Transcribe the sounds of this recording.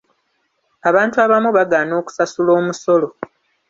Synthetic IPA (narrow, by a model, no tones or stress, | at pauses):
aβaːntuaβamuβaɡaːno̞ːku̥sasulo̞ːmuso̞lo